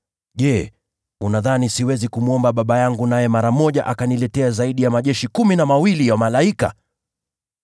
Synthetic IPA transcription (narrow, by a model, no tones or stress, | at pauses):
ʄɛ | unaðanisiwɛzikumuɔmbaɓaɓajaŋɡunajɛmaɾamɔʄaʔakanilɛtɛazaiɗijamaʄɛʃikuminamawilijamalaika̰